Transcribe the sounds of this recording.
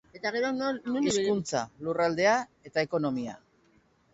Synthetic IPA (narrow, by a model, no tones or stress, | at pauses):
e̞t̪aɣ̞e̞ɾonunskunt͡sa̰lurald̪e̞ae̞t̪aeko̞no̞mia̰